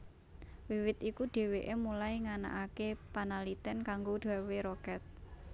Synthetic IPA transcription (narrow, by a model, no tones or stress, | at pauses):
wiwɪt̪ikuɖ̪̥e̤weʔemulajŋana̰ʔakepanalit̪ɛnkaŋɡoɖ̪̥a̤weɾɔkɛt̪̚